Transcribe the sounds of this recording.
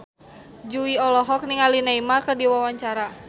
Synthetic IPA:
d͡ʒuiɔlɔɦɔk̚niŋalinaimarkərdiwawaɲt͡ʃaɾa

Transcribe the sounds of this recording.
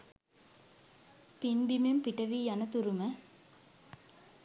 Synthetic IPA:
pinbimumpiʈɐʋiːjɐnɐt̪uɾumə

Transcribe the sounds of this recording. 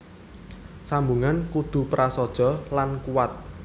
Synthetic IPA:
sambuŋankud̪̥ṳpɾʔasɔd̥ʒ̥ɔ̤lankuwat̪̚

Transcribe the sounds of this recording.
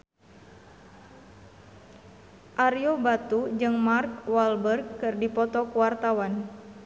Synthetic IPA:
ʔaɾjobat̪ud͡ʒɨŋmark̚walbərɡ̚ːɨrdipɔt̪ɔkuwart̪awan

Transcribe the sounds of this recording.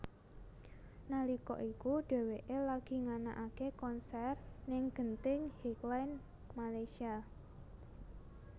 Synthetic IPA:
nalikɔ̰ʔikuɖ̥ɛ̤weʔelaɡ̥i̤ŋana̰ʔakekɔnsɛrnɪŋɡ̥ənt̪ɪŋhiklajn | malajsia

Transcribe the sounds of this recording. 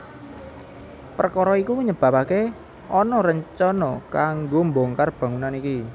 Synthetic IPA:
pərkɔɾɔikuɲəb̥a̤pake | ɔnɔɾəɲt͡ʃɔnɔkaŋɡomboŋkarb̥a̤ŋunaniki

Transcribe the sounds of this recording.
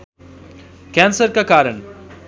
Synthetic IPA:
kɛ̃ːnsəɾkakaːɾəɳ

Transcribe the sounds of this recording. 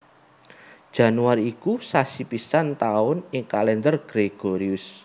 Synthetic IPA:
d̥ʒ̥ä̤nuaɾiːkusasipisant̪aʊnɪŋkalɛnd̪ərɡ̥ɾeɡ̥oɾiʊs

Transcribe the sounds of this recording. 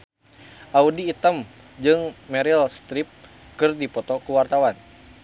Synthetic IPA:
ʔaudiːt̪əm | d͡ʒɨŋmɛɾilst̪ɾip̚ | kɨrdipɔt̪ɔkuwart̪awan

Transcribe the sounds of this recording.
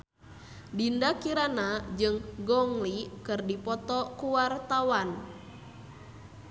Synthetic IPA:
dindakiɾanad͡ʒɨŋɡɔŋlikɨrdipɔt̪ɔkuwart̪awan

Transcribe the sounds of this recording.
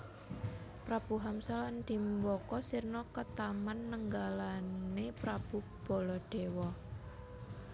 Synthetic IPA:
pɾab̥uɦamsaland̪̥i̤mbɔkɔsirnɔkət̪amanːəŋɡalannepɾab̥u | b̥ɔ̤lɔɖ̪̥ewɔ

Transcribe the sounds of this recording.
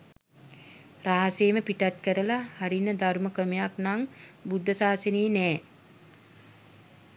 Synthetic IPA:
raɦaseːməpiʈat̪kəɾəlahaɾinːəd̪aɾməkəmejaknaŋbud̪ʱːəsaːsəniːnɛː

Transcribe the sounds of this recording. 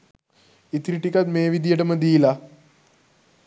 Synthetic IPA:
it̪ɾiʈikat̪meːʋid̪ijəʈəməd̪iːla

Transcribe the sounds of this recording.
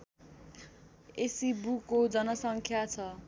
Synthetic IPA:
esibukod͡zʌnʌsʌŋkʰjat͡sʰʌ

